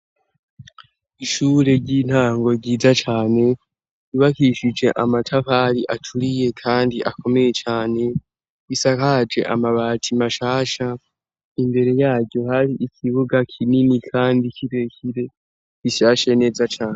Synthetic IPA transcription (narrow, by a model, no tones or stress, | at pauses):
iʃuːɾe̞ɾɟiːn̥haːŋɡo̞ɾɟiːzat͡ʃaːne̞ | iβakiʃid͡ʒe̞ʔamatʰaβaɾiʔatʰuɾije̞kʰaːndiʔako̞me̞je̞t͡ʃaːne̞ | isakad͡ʒe̞̰ʔa̰maβaːtʰimaʃaːʃa | imbe̞ɾe̞jaːɡɟjo̞haɾiʔicʰiβuɡakʰininikʰaːndiciɾe̞çiɾe̞ | iʃaːʃene̞ːzat͡ʃaːne